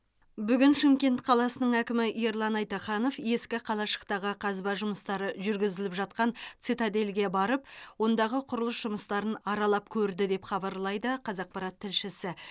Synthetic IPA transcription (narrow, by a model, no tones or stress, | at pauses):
bʏɡʲɪnʃɪmkʲe̞nt̪qʰɑlˠɑsənəɴækʲɪmɪjeɾlˠɑnɑjt̪ɑχɑnofje̞skʲɪqʰɑlˠɑʃə̥qt̪ɑʁəqʰɑzbɑʒʊməst̪ɑɾəʒʏɾɡʲɪzɪlɪpʒɑt̪̚qɑnt̪sɨt̪ad̪e̞lɡʲiebɑɾəp̚wo̞nd̪ɑʁəqʰʊɾəlˠəsʒ̥ʊməst̪ɑɾənɑɾɑlˠɑpkʲʰɵɾd̪ɪd̪e̞pχɑbɑɾlˠɑjd̪əqʰɑzɑq̚pɑɾɑt̪ʰːɪlʃɪsɪ